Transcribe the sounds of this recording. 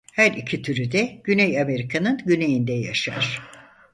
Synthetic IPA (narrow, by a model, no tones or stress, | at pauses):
hæɾicʰit̪ʰyɾyd̪ɛɟ̥ynɛjame̞ɾikʰanɯnɟyne̞jind̪ɛja̰ʃa̰ɾ̥